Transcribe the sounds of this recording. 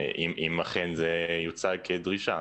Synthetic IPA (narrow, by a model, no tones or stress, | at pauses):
ʔimʔimaχenzejut͡salkʰed̪ʁiʃa